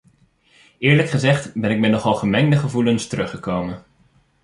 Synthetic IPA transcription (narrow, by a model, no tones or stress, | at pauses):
ɪːɹləkχəzɛχtbɛnɪk̚mɛnɔχɑlˠχəmɛŋdəχəvulənstərɵχəkowmən